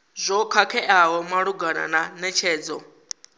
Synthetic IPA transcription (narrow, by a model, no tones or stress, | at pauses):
zʷɔkʰakʰɛʔaɦɔmaɺuɡana̰nanɛt͡ʃʰɛːd͡zɔ